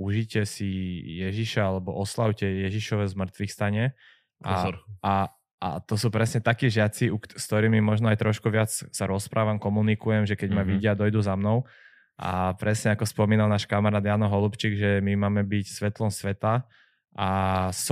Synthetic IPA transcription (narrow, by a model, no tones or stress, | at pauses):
uʒicɪɛsijɛʒiʃaalɛbɔʔɔslaʊcɛjɛʒiʃɔʋɛːzmr̩t̪ʋixst̪aɲɪɛ | aa | ʔa̰t̪ɔsuːpɾɛsɲɛt̪akiːʒɪat͡siukst̪ɔɾiːmimɔʒnɔajt̪ɾʔɔʃkuʋɪat͡ssaɾɔspɾʔaːʋamkɔmunikujɛmʒɛkɛɟmaʋiɟɪad̪ɔjd̪uzamnɔʊ | ʔa̰pɾɛsɲɛakɔspɔmiːnalˠnaːʃkamaɾaːd̪jaːnɔɦɔlupt͡ʃiːɡʒɛmimaːmɛbicsʋɛt̪lɔmsʋɛt̪a | ʔas